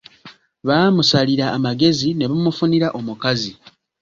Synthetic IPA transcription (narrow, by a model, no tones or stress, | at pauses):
βaːmusaliɾaːmaɡe̞zine̞βamufuniɾaʔomukazi